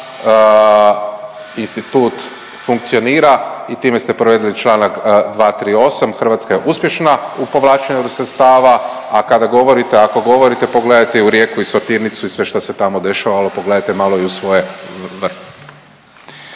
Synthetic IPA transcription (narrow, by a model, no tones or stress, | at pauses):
inst̪it̪uːt̪ | fuŋk̚t̪sio̞niːɾait̪iːme̞st̪e̞pɾoʋe̞ːd̪ilit͡ʃlˠaːnakd̪ʋaːt̪ɾiːo̞samxɾr̩ʋat̪skaje̞ʔuspjeʃnaupo̞ʋlˠaːt͡ʃeɲusɾet̪st̪aːʋa | akad̪aɡo̞ʋo̞ɾit̪eako̞ɡo̞ʋo̞ɾit̪e̞po̞ɡled̪ajt̪eiuɾje̞ːkuisoɾt̪iɾnit̪suisʋe̞ʃt̪ose̞t̪amo̞d̪e̞ʃaʋalo̞po̞ɡle̞d̪ajt̪e̞maːlˠoiusʋo̞jeʋr̩t̪